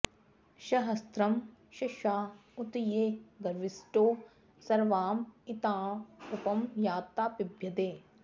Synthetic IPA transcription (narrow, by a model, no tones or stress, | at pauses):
ʃɐɦɐst̪ɾɐmʃɐʃaːut̪ijeːɡɐɾʋisʈoː | sɐɾʋaːmit̪aːupɐmjaːt̪ːaːpibʱjɐd̪eː